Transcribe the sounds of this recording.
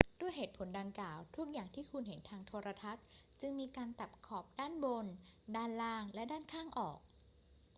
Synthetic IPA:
du˥˩əheː˨˩t̪̚pʰo˩˦nda˧ŋklaː˨˩wt̪ʰu˦˥k̚jaː˨˩ŋt̪ʰiː˥˩kʰu˧nɦe˩˦nt̪ʰaː˧ŋt̪ʰoː˧ɾa˧t̪ʰa˦˥t̪̚ | t͡ɕɯ˧ŋmiː˧kaː˧nt̪a˨˩p̚kʰɔː˨˩p̚daː˥˩nbo˧ndaː˥˩nlaː˥˩ŋlɛ˦˥daː˥˩nkʰaː˥˩ŋʔɔː˨˩k̚

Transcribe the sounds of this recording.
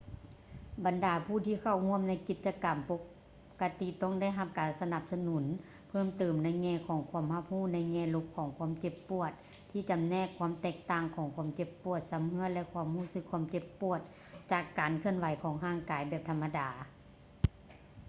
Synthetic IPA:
ba˨ndaː˨˦pʰuː˧˩t̪ʰiː˧kʰa˧˩whu˧˥˨əmna˧˥˩jki˧˩t̪̚t͡ɕa˧ka˨mpo˧ | kːa˧t̪i˧t̪ɔ˧˥˩ŋda˧˥˨jɦa˧p̚kaː˨nsa˧na˧˩p̚sa˧nu˨˩˦n | pʰɤː˧˥˨mt̪ɤː˨˩mna˧˥˩jŋɛː˧˥˨kʰɔː˨˩˦ŋkʰu˧˥əmha˧p̚huː˧˥˩na˧˥jŋɛː˧˩˨lo˧˥p̚kʰɔː˨˦ŋkʰwu˧˥ə˨mke˧pːu˧˩ət̪̚ʰː | iː˧˩t͡ɕa˨mnɛː˧˥˨kʰːwu˧˥ə˨mt̪ɛː˧˩k̚t̪aː˧˩ŋkʰɔː˨˦ŋkʰu˧˥ə˨mke˧˩pːu˧˩ət̪̚sa˨˦mhɯ˧˥ə˨lɛ˧˨kʰu˧˥ə˨mhuː˧˥˩sɯ˧kʰːu˧˥ə˨mke˧˩pːu˧˩ət̪̚ | t͡ɕaː˧˩kːaː˨nkʰɯ˧ənwa˨˦jkʰɔː˨˦ŋɦaː˧˩ŋkaː˨jbɛː˧˩p̚t̪ʰa˧mːa˧daː˨˦

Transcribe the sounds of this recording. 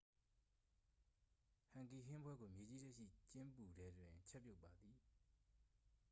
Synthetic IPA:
hã˨ŋki˨ɦɪ̃˦mbwɛ˦ɡo˨mje˨d͡ʑi˦zɛ˦ʔʃḭ˦˨t͡ɕɪ̃˦mpu˨dɛ˨dwɪ̃˨t͡ɕʰɛ˦ʔpːjo˦ʊpːa˨d̪i˨

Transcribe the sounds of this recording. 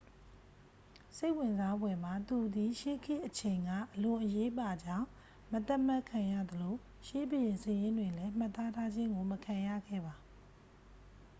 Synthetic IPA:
se˦ɪʔwɪ̃˨nza˦bwɛ˨m̥a˨t̪u˨d̪i˨ʃe˦kʰɪ˦ʔət͡ɕʰẽ˨ɪ̃ŋɡä̰˦˨ʔəlʊ̃˨ʔəje˦pa˨d͡ʑã˦˨ʊ̃ | mət̪a˦ʔm̥a˦ʔkʰã˨jä̰˦˨d̪əlo˨ | ʃe˦bə˨jɪ̃˨sə˨jɪ̃˦ndwɪ̃˨lɛ˦m̥a˦t̪ːa˦tʰa˦d͡ʑɪ̃˦ŋɡo˨məkʰã˨ja̰˦˨ɡɛ̰˦˨ba˨

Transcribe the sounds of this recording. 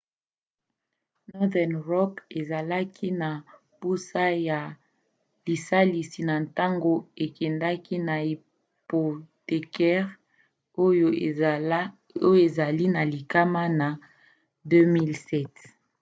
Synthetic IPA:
nɔ˦dɛ˨nʁɔ˦ke˨za˨la˦kʰi˦na˨ | pu˦sa˦ja˨ | li˨sa˦li˨si˨na˨nta˦ŋɡo˦e˨kɛ˨nda˦ki˦na˨i˨ | po˨te˨kɛ˦ʁ | o˦jo˨˦ | o˦jo˦e˨za˨li˦na˨li˨ka˦ma˦na˨ | dø˦mi˦lsɛ˦˨t

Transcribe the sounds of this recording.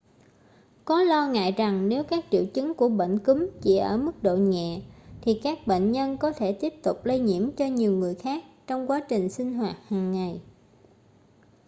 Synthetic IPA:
kɔ˨˦lɔ˧ŋa̰ː˧˨jza˨˩ŋne˨˦wkaː˦˥k̚t͡ɕḭ˧˨əwt͡ɕɨ˨˦ŋku˧˩əɓḛ˧˨ŋ̟kɨ˨˦mt͡ɕḭ˧˩ʔəː˧˩mɨ˦˥k̚ɗo̰˧˨ɲɛ̰˧˨t̪ʰi˨˩kaː˦˥k̚ɓḛ˧˨ŋ̟ɲə˧nkɔ˨˦t̪ʰe˧˩t̪i˦˥əp̚t̪ʊ˨˩k͡p̚lə˧jɲḭ˧˩əmt͡ɕɔ˧ɲi˨˩əwŋɨ˨˩əjxaː˦˥k̚t͡ɕɔ˧wŋ͡mkwaː˨˦t͡ɕï˨˩ŋ̟sï˧ŋ̟ɦwaː˨˩t̚haː˨˩ŋːa˨˩j

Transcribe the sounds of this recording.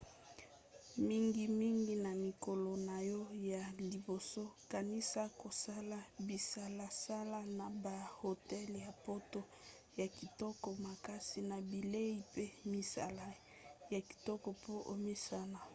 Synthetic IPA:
mi˦ŋɡi˦mi˦ŋɡi˦na˨mi˨ko˨lɔ˨na˨jɔ˦ja˨li˨bo˨so˦ka˨ni˦sa˦ko˨sa˦la˦bi˨sa˦la˨sa˦la˦na˨ba˨ho˨tɛ˦lja˨po˦to˦ | ja˨ki˨tɔ˦kɔ˨ma˨ka˦si˨na˨bi˨le˦i˨pe˦mi˨sa̰˨la˨˦ | ja˨ki̥˨tɔ˦kɔ˨po˦ʔo˨mi˦sa˦na˨

